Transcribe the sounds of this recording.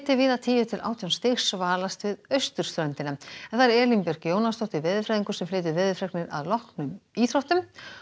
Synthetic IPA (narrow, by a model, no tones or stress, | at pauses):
t̪ɪvɪðat̪ʰiːjʏt̪ʰɪlʔa̰ːwt̪ʰijɔwnst̪ɪxsvaːlast̪vɪðœɥst̪ʏɾ̥st̪ɾœnt̪ɪnamɛnθaɾɛːlimpɛɾkjoːwnast̪ɔht̪ɪvɪðʏfɾɛːðiŋkʏ̥ɾsɛmflɪːt̪̬ʏvɪːðʏfɾɛknɪɾa̰ðlɔhknʏmiːθɾɔht̪ʏm